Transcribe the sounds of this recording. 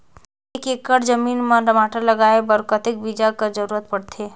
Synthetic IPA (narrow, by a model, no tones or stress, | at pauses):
ekekːəɽd͡ʒəminməɾəmaʈələɡaebəɾkət̪ek̚bid͡ʒakəɾd͡ʒəɾuɾət̪̚pəɽt̪ʰe